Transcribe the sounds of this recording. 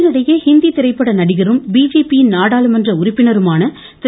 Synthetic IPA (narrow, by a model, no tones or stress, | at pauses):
nɪɽɐjɐhɪnd̪it̪ɪɾɐɪpːɐɽɐnɐɽɪɣɐrɯmbiːd͡ʒeːpiɪnnaːɽaːlɯmɛndrɐʊrɪpːɪnɐɾɯmaːnɐ | t̪ɪ